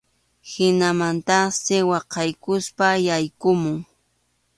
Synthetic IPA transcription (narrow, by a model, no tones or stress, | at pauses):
hɪnamant̪ɑχsɪwɑqɑjkʊspajajkʊmʊŋ